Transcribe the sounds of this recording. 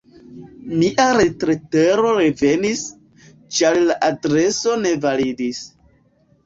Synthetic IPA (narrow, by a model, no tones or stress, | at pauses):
miʔaɾe̞tɾeteɾo̞ɾeve̞nis | t͡ʃaɾlaʔadɾe̞so̞ne̞validis